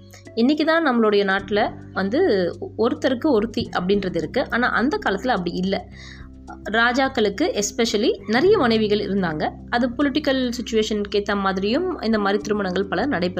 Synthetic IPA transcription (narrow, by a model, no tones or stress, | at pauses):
ɪnːɪk̬ʲːɯt̪ãːnɐmːɐɭɔɽɐjɐnaːʈːɪlɐ | ʋɐnd̪ɯɔɾɯt̪ːɐɾɯkːɯɔɾɯt̪ːiʔɐpːɐɽɪnɾɐðɪɾɯkːɯʔaːna̰ːʔɐnd̪ɐkaːlɐt̪ːɪlɐpːɐɽiɪlːɐ | ɾaːd͡ʒaːkːɐɭɯkːɯʔɛspɛʂɐlinɪɾɐjɐmɐnɐɪʋɪɣɐɭɪ̰ɾɯnd̪aːŋɡɐ | ɐðɯpɔlɪʈːɪkːɐlsɪt͡ʃːʊʋeːʂɐnkeːt̪ːɐmaːðɪɾɪjɯmɪ̰nd̪ɐmaːd̪ɾit̪ɪɾɯmɐɳɐŋɡɐɭpɐlɐnɐɽɐɪpːɾ